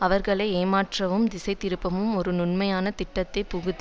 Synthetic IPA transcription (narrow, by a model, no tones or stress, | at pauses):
ɐʋɐɾɣɐɭɐɪeːmaːʈrɐʋɯmd̪ɪsɐɪt̪ɪɾɯpːɐmɯmɔɾɯnʊnmɐjaːnɐt̪ɪʈːɐt̪ːɐɪpʊɣɯt̪ː